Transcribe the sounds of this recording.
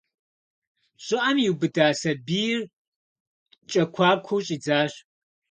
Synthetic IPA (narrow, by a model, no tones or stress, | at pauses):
ɕʼɪʔɐmjiwbɨdaːsɐbiːjr | t͡ʃʼɐkʷʰaːkʷʰoɕʼiːd͡zaːɕ